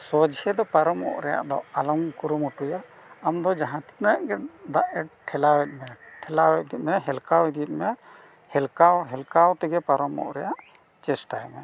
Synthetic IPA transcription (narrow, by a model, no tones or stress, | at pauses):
sɔd͡ʒhɛd̪ɔpaɾɔmɔ̰ʔɾɛja̰ʔd̪ɔ̰alɔmkuɾumuʈuja | amd̪ɔd͡ʒaɦãt̪i̥nəʔɡɛd̪aʔɛʈ̚ʈʰɛlawɛt̪̚mɛʈʰɛlawɛt̪̚d̪it̪̚mɛɦɛlkawid̪it̪̚mɛ | hɛlkawɦɛlkawt̪ɛɡɛpaɾɔmɔ̰ʔɾɛjaʔ | t͡ʃɛsʈajmɛ